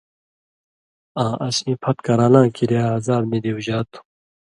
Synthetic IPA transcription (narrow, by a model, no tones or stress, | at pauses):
ãːʔɐsĩːpʰɐt̪kɐɾãːlãːkiɾeaːzaːbmed̪iuʑaːt̪u̥